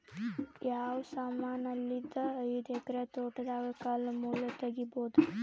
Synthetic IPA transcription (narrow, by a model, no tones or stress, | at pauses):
jaːʋsaːmaːnɐlːid̪əːjud̪ekɾet̪oːʈd̪aɡɐkalmulɐt̪ɐɡiboːd̪u